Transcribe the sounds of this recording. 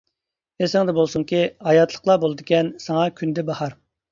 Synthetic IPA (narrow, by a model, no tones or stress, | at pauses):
esɪŋd̪ɛbolˠsuŋkʲiɑjɑt̪ʰlˠə̥qlˠɑbolˠɨd̪ɪkʲɛnsɑŋɑkʲʰynd̪ɛbɑhɑɾ